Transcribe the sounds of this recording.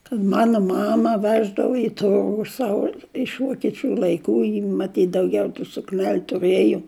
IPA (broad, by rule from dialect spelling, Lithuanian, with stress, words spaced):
kɐt ˈmɑːnoː ˈmɑːmɐ ˈʋʲæːʒdɐʋoː ɪ ˈtʊrɡʊ ˈsɑːʋoː ɪʃ ʋoːkʲiɛˈt͡ʃʲuː lˠɐɪˈkuː jɪ mɐˈtʲiːt dɐʊˈɡʲɛʊ tuː sʊkˈnʲɛlʲ tʊˈrɘjoː